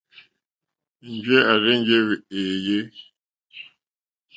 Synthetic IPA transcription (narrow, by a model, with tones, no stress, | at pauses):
n̩˨d͡ʒe˦a˨ɾe˦ɲ̩˦d͡ʒe˦βi˨eː˨je˦